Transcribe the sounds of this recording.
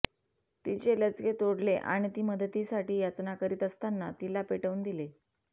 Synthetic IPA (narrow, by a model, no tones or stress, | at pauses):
t̪it͡ɕelət͡sɡet̪oɽleʔa̰ɽ̃it̪iːməd̪ʱət̪iːsaʈiːjat͡snakəɾiːt̪əst̪anːat̪ilapeʈəʋund̪ile